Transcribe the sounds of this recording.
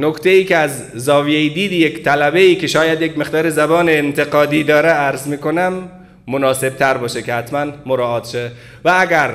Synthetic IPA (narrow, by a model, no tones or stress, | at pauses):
nokʰt̪ʰeiːcʰeæz | zɒːvijeid̪iːd̪iːjekt̪ʰælæbeiːkʰe̞ʃɒːjæd̪jekme̞ɣd̪ɒːɾezæbɒːneːnt̪ʰe̞ɡɒːd̪iːd̪ɒːɾeæɾzmiːkonæmː | onɒːse̞b̥̚t̪ʰæɾbɒːʃekʰehæt̪mænmoɾɒːʔɒːt̪ʃe | vææɡæɾ